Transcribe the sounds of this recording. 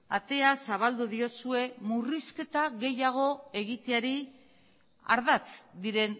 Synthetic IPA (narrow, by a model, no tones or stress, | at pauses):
at̪e̞asaβ̞ald̪uðio̞sue̞muriske̞t̪aɣe̞jaɣ̞o̞e̞ɣit̪eaɾi | a̰ɾðat͡sd̪iɾe̞n